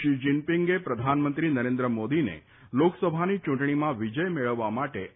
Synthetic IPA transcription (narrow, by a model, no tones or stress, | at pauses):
ʃid͡ʒinpiŋɡepɾəd̪ʱanmənt̪ɾinəɾend̪ɾəmod̪inḛ | loksəbʱanit͡ʃũɳʈɳ̃imãʋid͡ʒəjmeɭəʋːamaʈe